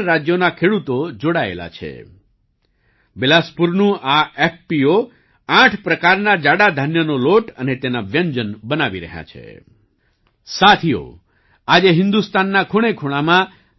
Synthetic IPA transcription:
ɾad͡ʒjonakʰeɽut̪od͡ʒoɽaḛla̰t͡ʃʰḛ | belaspuɾnũʔaɛpːio | ãʈʰpɾəkaɾnad͡ʒaɽad̪ʱənjənoloʈənet̪enaʋjəɲd͡ʒənbənaʋiɾə̰ɦja̰t͡ʃʰḛ | sat̪ʰio̰ | ad͡ʒeɦɪ̃nd̪ust̪anːakʰoɽ̃ekʰuɽ̃amã

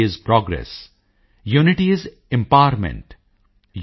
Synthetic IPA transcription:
ɪzpɾɔːɡɾḛs | juːnɪʈiɪz | ɪ̃mpaʋɾmɛ̰̃ɳʈ | j

